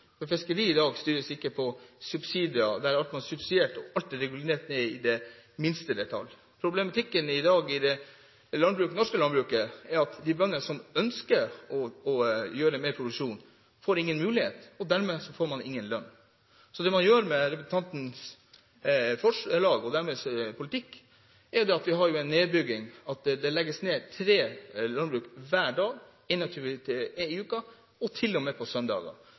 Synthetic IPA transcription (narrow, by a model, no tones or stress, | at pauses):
fɔɾfɪskəɾiːɪd̪ɑːɡst̪yːɾəsɪkːəpʰɔsʉbsiːd̪ɪɑd̪æɾɑlt̪mɑnsʉbsɪd̪eːʈɔɑlt̪ɛɾɛɡʉlneːʈ̪nɛɪd̪ɛmɪnst̪əd̪ɛt̪ʰɑ̰lː | pʰɾʊblɛmɑt̪ʰɪkːənɪd̪ɑːɡɪd̪ɛ | lɑnbɾʉːknɔʂkəlɑnbɾʉːkəɛɾɑt̪d̪ɪbœnːəsɔmœnskəɾɔɔjøːɾəmeːɾpʰɾʊd̪ʉkʂuːn | foːɾɪŋːənmʉːlɪhḛːt̪ɔd̪æɾmɛsɔfoːɾmɑnɪŋːənlœnː | sɔd̪ɛmɑnjøːɾmɛɾɛpəsn̩t̪ɑnt̪n̩s | fɔʂlɑːɡɔd̪æɾmɛspʰʊlɪt̪ɪkː | ɛɾjd̪ɛɑt̪ʋɪɦɑɾjʊɛɪnːeːd̪bʏɡːɪŋɑt̪d̪ɛlɛɡːəsneːt̪ʰɾeːlɑnbɾʉːkʋæːɖɑːɡ | ɪnːɑk̚t̪ʰʉːət̪ʰɪɪʉːkə | ɔt̪ʰɪlːɔmɛpʰɔsœnd̪ɑ̰ːɡɑ̰